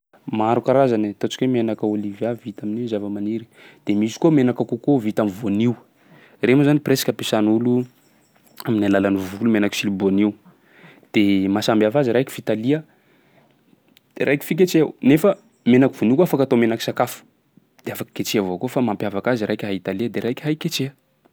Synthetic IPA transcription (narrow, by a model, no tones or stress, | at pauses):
maɾukaɾazanit̪ot͡ʃi̥kwemenakəolivjavit̪aminiwzavəmaniɾi̥ | d̪̥emisi̥komenakakukovit̪amivoniw | remozanipresḁkʲəpesanulu | aminalalanivulumenaki̥siliboniw | d̪̥emasambiafaziɾajki̥v̥it̪aliə | d̪̥eɾʔajki̥fik̬et͡ʃewnefə | menaki̥v̥onikoafakat̪omenaki̥sakafu̥ | d̪̥eafakə̥ket͡ʃeavokofamampjavakaziɾajkʲɦait̪aliəd̪eɾajkʲɦajket͡ʃeə